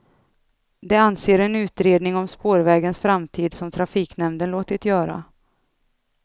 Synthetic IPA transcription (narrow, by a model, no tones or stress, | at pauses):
d̪ɛanseːɾɛnʉ̟ːt̪ɾeːd̪nɪŋɔmspoːɾvɛːɡənsfɾamt̪ʰiːd̪sɔmt̪ʰɾafiːknɛmd̪ənloːt̪ɪt̪jœːɾa̰